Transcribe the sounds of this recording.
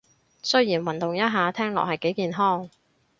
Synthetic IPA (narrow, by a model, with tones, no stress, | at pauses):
sɵ˥ɥjiː˨˩nwɐ˨˩nt̪ʊ˨ŋjɐ˥t̚ɦaː˨˧t̪ʰɛː˥ŋlɔ̰ː˨k̚hɐ˨jke˨˥jkiː˨nɦɔː˥ŋ